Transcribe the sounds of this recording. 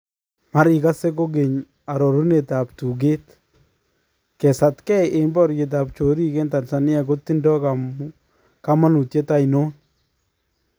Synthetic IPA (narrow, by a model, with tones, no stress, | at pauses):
ma˦ɾɪ˨ka˦se˦k̬o˦ɡe˨ɲ | a˨ɾɔ˨ɾu˦ne˨ta˨p̚tu˨ɡe˦t̪ | kɛ˨sa˨tkɛ˦ʔe˨mbɔ˦ɾɡe˨t̬a˨p̚t͡ʃo˨ɾi˦kɛ˦nta˨nsa˨nɪ˦a˨ko˦t̪ːi˦ndɔ˦ka˨ | ka˦ma˦nu˨tje˦ta˦i˨no˦n